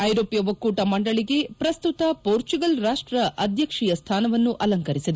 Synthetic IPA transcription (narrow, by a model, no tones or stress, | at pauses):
ɐjɾoːpjɐʋɐkːuːʈɐmɐɳɖɐɭiɡe̞pɾɐst̪ut̪ɐpoːɾt͡ʃuɡɐlɾaːʂʈɾɐʔɐd̪ʱjɐkʂijɐst̪ʰaːnɐʋɐnːuʔɐlɐŋkɐɾisid̪e